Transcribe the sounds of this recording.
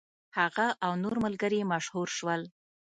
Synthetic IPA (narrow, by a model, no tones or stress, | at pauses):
haɣaʔawnoɾməlɡəɾemaʃhuɾʃwəl